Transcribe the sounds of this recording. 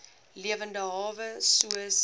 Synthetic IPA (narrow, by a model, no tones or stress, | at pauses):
liəvəndəɦɑːvəsuəs